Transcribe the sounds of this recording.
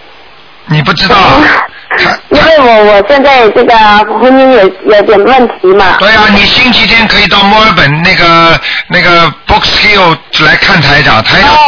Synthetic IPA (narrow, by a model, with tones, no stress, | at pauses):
ni˨˩p̬u˥˩ʈ͡ʂɻ̩˥t̪ɑ˥˩ʊ˨t̪ʰa˥i˥n˥we˥˩ɪwɔ˨˥wɔ˨˩ɕjɛ˥˧nt͡sa˥˧ɪʈ͡ʂɤ˥˩ɡə˨˩xwə˧˥ni˥nje˨˩jo˧˥t̪jɛ˨˩nwə˥˩nt̪ʰi˧˥mɐ˧t̪we˥˩ɪa˨ni˨˩ɕi˥ŋt͡ɕʰi˥t̪ʰjɛ˥nkʰɤ˧˥i˨˩t̪ɑ˥˩ʊmwɔ˥ə˞˧˥pə˨˩nna˥˩ɪɡə˩na˥˩ɡə˩pɔ˥kski˥o˥˩ʊla˧˥ɪkʰa˥˩nt̪ʰa˧˥ɪʈ͡ʂɑ̰˨˩ŋt̪ʰa˧˥ɪ